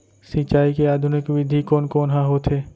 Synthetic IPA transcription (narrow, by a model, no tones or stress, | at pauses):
sit͡ʃaːikeaːd̪ʱʊnɪkʋɪd̪ʱikoːnkoːnɦãɦoːt̪ʰɦeː